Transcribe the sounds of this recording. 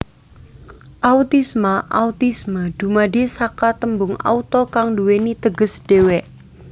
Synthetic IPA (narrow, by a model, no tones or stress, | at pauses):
ʔaut̪ismaʔaut̪isməd̥ṳmadesakat̪əmbʊŋa̰ut̪ɔkaŋduwenit̪əɡəsd̥ewɛ